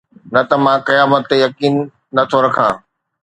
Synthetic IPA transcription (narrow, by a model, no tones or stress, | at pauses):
nɐt̪ɐmãqɐjaːmət̪ːejɐkiːnː | ɐt̪ʰoɾɐkʰã̰ː